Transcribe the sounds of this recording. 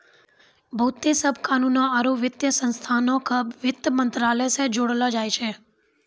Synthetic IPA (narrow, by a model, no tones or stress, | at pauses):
bʱəːt̪ːesəbʱkaːnunːaəɾoʋɪt̪jəsə̃nst̪ʰanokʰəbʋɪt̪ːəmənt̪ɾaːləsed͡ʒoːɽəlad͡ʒaːjt͡ʃʰe